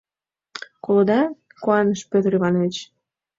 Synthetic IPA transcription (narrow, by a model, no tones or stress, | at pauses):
kolod̪ɑ | koɑnəʃpød̪ɾiβɑnet͡ɕ